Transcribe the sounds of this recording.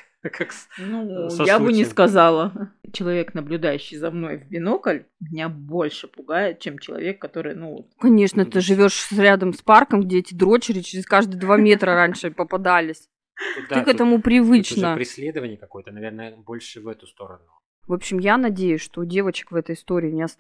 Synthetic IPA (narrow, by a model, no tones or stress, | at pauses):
kʰaksnujabɨnʲɪskɐzalˠət͡ɕɪlˠɐvʲe̞knəblʲʊd̪ajʉɕːɪjzɐmno̞jvbʲɪnokəlʲ | mʲɪnʲabo̞lʲʂɨpʊɡajɪt̪̚t͡ɕemt͡ɕɪlˠɐ̰vʲe̞kːɐt̪o̞ɾɨ̰jnuvo̰t̪kɐnʲe̞ʂnət̪ɨʐɨvʲo̞ʂɾʲad̪əmsparkəmɡdʲeɛtʲɪd̪ɾo̞t͡ɕɪɾʲɪt͡ɕɪɾʲɪskaʐd̪ɨjəd̪vamʲe̞t̪ɾəɾanʲʂɨpəpɐd̪alʲɪsʲ | t̪ɨkɛt̪əmʊpɾʲɪvɨt͡ɕnəpɾʲɪsʲlʲed̪əvənʲɪjəkɐko̞jət̪ənɐvʲernəəbo̞lʲʂɨvɛt̪ʊst̪o̞̰ɾə̰nʊ | vo̞pɕːɪmjanɐdʲejʉsʲʂt̪o̞dʲe̞vət͡ɕɪ̥kvɛt̪əjɪst̪o̞ɾʲɪːnʲɪɐs